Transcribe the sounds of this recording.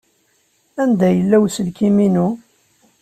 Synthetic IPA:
ænd̪æjəlːæwsəlkiminu

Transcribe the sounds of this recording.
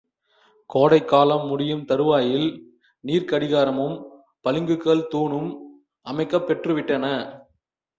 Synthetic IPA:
koːɽɐɪkːaːlɐmːʊɽɪjɯmt̪ɐɾɯʋaːjɪl | niːɾkɐɽɪɣaːɾɐmɯm | pɐlɪŋɡɯkːɐɭt̪uːɳɯm | ʔɐmɐɪkːɐpːɛʈrɯʋɪʈːɐnɐ

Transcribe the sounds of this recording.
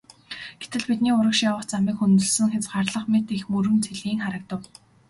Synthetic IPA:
ɡ̥e̥t̪ɘ̆ɮpit̪̚niːʊɾə̆kʃjawə̆χt͡samiːkxunt̪ɵ̆ɮsɘ̆ŋxet͡sɢarɮə̆χmet̪ixmɵɾɵ̆nt͡sʰeɮiːŋχaɾə̆k̚t̪ə̆w

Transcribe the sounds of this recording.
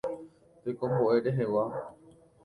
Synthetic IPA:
t̪ekõ̞mbo̞ʔe̞ɾe̞ɦe̞wa

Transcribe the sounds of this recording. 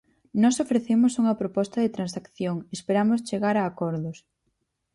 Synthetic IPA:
nɔsofɾeθemʊsuŋɐpɾopɔst̪ɐðet̪ɾansakθjoŋespeɾamʊs̬t͡ʃeɣaɾaːkɔɾðʊs

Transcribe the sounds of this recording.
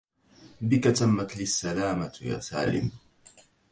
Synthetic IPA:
bɪkat̪amːat̪ɪsːalaːmaja̰ːsa̰ːlɪ̰m

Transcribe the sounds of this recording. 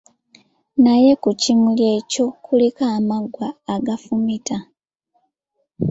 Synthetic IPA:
naje̞kucimulje̞co̞kʰulikaːmaɡwaːɡafumita

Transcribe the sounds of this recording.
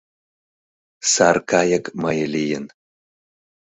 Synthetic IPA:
sarkʰajɐkʰʼmajɐlʲijɪn

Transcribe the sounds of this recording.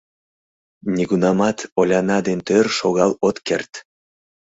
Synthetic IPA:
nʲiɣunɑmɑt̪olʲɑnɑd̪ent̪ørʃoɣɑlot̪kert̪

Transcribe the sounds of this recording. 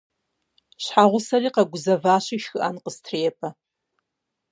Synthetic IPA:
ɕħaːʁʷʊsɐriːqɐɡʷʊzɐvaːɕiʃxɨʔɐnqəstʰreːjɛpʼɐ

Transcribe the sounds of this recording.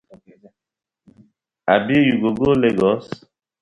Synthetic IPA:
abijuɡoɡoleɡɔs

